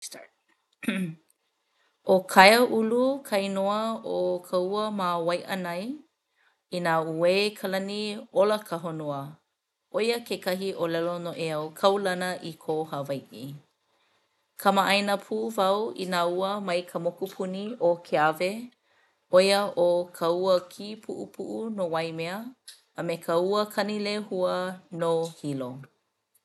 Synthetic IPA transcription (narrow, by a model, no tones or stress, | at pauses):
ʔokʰajəʔulukʰɐjnoəokʰəuəmawɐjʔənɐj | inauekʰəlɐnioləkʰəɦonoə | ʔojəkekɐɦiʔolɛlonoʔeawkʰɐwlɐnəʔikʰohɐvɐjʔḭ | kʰɐmaʔɐjnəpʰuʔːvɐwḭnaːuəmɐjkʰəmokupʰuniokʰeave | ʔojəʔokʰɐuəkʰipʰuʔupʰṵʔunowɐjmeəː | mekʰəuəkʰɐnilehuənohilo